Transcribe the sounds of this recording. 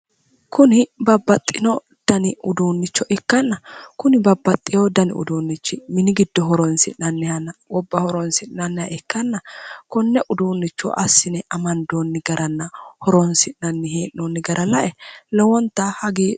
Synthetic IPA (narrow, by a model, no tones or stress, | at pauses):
kʰʊnɪbɐbːɐt̪ʼːɪnɔ | d̪̥ɐnɪʔʊd̪uːnːɪt͡ʃːɔʔɛkːɐnːɐkʊnɪbɐbːɐt̪ʼːɪjɔd̪ɐnɪ̰ʊ̰d̪uːnːɪt͡ʃːɪmɪnɪɡɪd̪ːɔɦɔɾɔnsɪnɐnːɪhɐnːɐɔbːɐhɔɾɔnsɪnɐnːɪɐ̰ʔɛkːɐnːɐkʊnːɛʔʊd̪uːnːɪt͡ʃːɔ̰ʔɐ̰sːɪnɛʔɐmɐnd̪oːnːɪɡɐɾʔɐnːɐhɔɾɔnsɪnɐnːɪɦeːʔnonːɪɡɐɾʔɐlɐʔɛlɔwɔnt̪ːɐhɐɡeː